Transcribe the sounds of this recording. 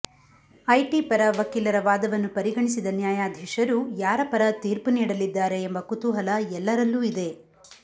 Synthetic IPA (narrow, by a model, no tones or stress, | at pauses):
ɐjʈipɐɾɐʋɐkiːlɐɾɐʋaːd̪ɐʋɐnːupɐɾiɡɐɳisid̪ɐnjaːjaːd̪ʱjɐʂɐɾujaːɾɐpɐɾɐt̪iːɾpuniːɽɐlid̪ːaːɾe̞ːmbɐkut̪uɦɐlɐɛlːɐɾɐlːuːid̪e̞